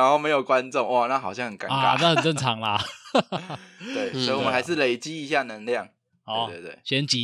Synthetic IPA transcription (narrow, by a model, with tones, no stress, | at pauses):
a˧˦nxo˥ʊme˧˥ɪjo˨˩ʊkwa˦nʈ͡ʂʊ˥˨ŋwʔa˥˨na˥˩xɑ˨˩ʊɕjɑ˥˩ŋxə˨˩nka˧˦nka̰˥˦na˥hə˨˩nʈ͡ʂə˥˩ŋt͡sʰɑ˨˦ŋlɐ˧ | t̪we˥˩ɪswi˨˩wmə̃˦nxa˧˥ɪʂ̬ɻ̩˥˩le˨˩ɪt͡ɕi˦˥i˧˥ɕja˥˩nə˧˥ŋljɑ˥˩ŋ | ɔ˨˦t̪we˥˧˩t̪we˥˩ɕɥɛ˧˥nt͡ɕi˨˦